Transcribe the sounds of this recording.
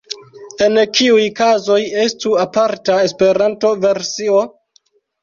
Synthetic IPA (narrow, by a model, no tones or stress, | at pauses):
e̞nkʰiujkazo̞je̞stuapaɾtaespe̞ɾanto̞ve̞ɾsio̞